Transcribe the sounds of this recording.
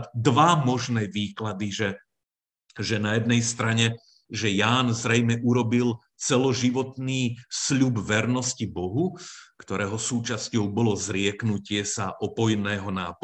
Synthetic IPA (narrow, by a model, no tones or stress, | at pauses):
d̪ʋamɔʒnɛːʋiːklad̪iʒɛ | ʒɛnajɛd̪̚nɛjst̪ɾaɲɛ | ʒɛjaːnzɾɛjmɛʔuɾɔbil | t͡sɛlɔʒiʋɔt̪niːsʎubʋɛɾnɔscibɔɦukt̪ɔɾɛːɦɔsuːt͡ʃascɔʊbɔlɔzɾɪɛknucɪɛsaʔɔpɔjnɛːɦɔnaːp